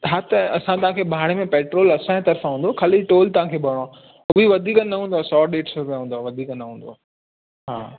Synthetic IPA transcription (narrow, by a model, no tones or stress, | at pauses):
ɦat̪ɐsãt̪ɐʋãkʰeːbʱaːɽemẽpeːʈɾoːlɐsãt̪ɐɾfãɦũːnd̪okʰɐliʈoːlt̪ɐʋ̤ãːkʰeːbɐɽ̃õ | ʊbiʋɐd̪ʱiːkənnːɐɦũːnd̪oaːsɔːɗeːʈsebɦũːnd̪oaːʋɐd̪ʱiːkənəɦũːn̆d̪oaː | ɦaː